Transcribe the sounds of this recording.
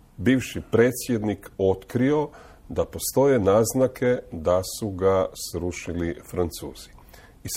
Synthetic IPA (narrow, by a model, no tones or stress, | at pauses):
biːʋʃipɾe̞ːt̪sje̞d̪niko̞t̪kɾio̞ | d̪apo̞st̪o̞je̞naːznakʰe̞d̪asuɡasɾuːʃilifɾant̪suːz̥i̥ | i